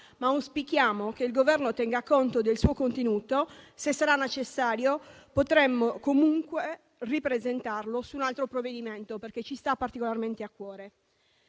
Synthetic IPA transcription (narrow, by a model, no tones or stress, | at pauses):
mauspikjaːmokeilɡovɛrnot̪ɛŋɡaːkːont̪od̪elsuːokont̪enuːt̪osesːaɾanːet͡ʃesːaːɾjopot̪ɾemːokomuŋkwe | ripɾezent̪arlosuːnalt̪ɾopɾovːed̪iment̪operket͡ʃːist̪apːart̪ikolarment̪eakːwɔːɾe